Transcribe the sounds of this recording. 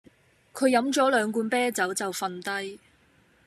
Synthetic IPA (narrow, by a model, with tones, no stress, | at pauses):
kʰɵ˨˧ɥjɐ˨˧˥mt͡sɔː˨˥lœː˨˧ŋkuː˧npɛː˥t͡sɐ˨˥wt͡sɐ˨wfɐ˨˧nt̪ɐ˥j